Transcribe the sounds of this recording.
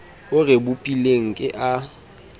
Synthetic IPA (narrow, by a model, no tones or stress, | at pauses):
ʊrɪbʊpʼileŋ̩kʼɪʔa